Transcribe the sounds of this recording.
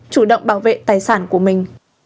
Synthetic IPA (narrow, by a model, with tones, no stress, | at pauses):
t͡ɕu˧˩ɗə̰˧˨wŋ͡mɓaː˧˩wvḛ˧˨t̪aː˨˩jsaː˧˩nku˧˩əmï˨˩ŋ̟